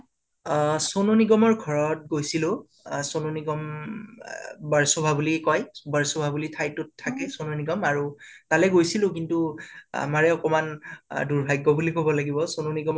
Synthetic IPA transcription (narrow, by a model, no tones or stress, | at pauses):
sononiɡɔmɔɹɡʱɔɹɔt̚ɡojsilʊ̃ | sononiɡɔm | baɹsobʱabulikɔjbaɹsobʱabulitʰajtʊtʰːakɛsononiɡɔmaɹutalɛɡojsilʊ̃k̬intua̰maɹɛɔkɔmanduɹbʱajɡːɔbulikobɔlaɡibɔsononiɡɔ